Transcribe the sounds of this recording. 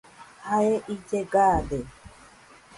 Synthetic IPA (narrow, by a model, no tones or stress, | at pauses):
haeʔid͡ʒeɡade